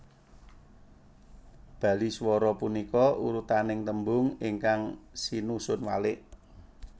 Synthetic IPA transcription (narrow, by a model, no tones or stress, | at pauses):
b̥ä̤liswɔɾɔpunikɔʔuɾut̪anɪŋt̪əmbʊŋiŋkaŋsinusʊnwalɪʔ